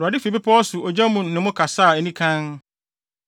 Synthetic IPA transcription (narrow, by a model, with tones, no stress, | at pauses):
ɾʊ˨a˨dɪ˦fi˨bɪ˦pʰɔ˦ɔ˦sʊ˨ɔ˨d͡ʑa˦mũ˨nː˨ɪ̃˨mʊ̃˦kʰa˨sa˦˨ɛ˨nĩ˦kʰã˦n